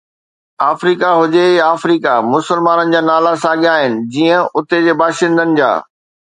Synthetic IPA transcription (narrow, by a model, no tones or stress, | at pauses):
aːfɾiːkaɦʊd͡ʑeaːfɾiːkamʊsəlmaːnənɪ̆d͡ʑaːnaːlasaːɠjaːɦɪnɪ̆d͡ʑiːə̃ʊt̪ed͡ʑeːbaːʃɪ̃nd̪ənɪ̆d͡ʑa̰ː